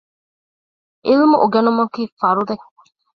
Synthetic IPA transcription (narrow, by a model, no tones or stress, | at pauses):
ʔilimuʔuɡenumɐkiːfɐɾud̪e